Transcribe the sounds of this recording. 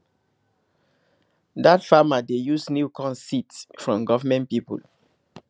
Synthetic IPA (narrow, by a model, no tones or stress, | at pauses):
datfamadejusniukɔ̃nsitsfɹɔ̃mɡɔvamɛ̃ntpipṵl